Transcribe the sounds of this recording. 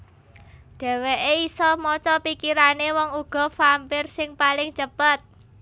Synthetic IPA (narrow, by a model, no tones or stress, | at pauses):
d̪̥ɛ̤weʔeisɔmɔt͡ʃɔpikiɾanewɔŋuɡ̥ɔ̤fampɪrsɪŋpalɪŋt͡ʃəpət̪̚